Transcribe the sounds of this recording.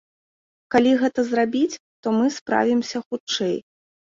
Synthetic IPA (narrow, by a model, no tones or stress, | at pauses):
kalʲiɣɛt̪ɐzrabʲit͡sʲ | t̪ɔmɨspɾa̰vʲimsʲɐxut͡ʂɛj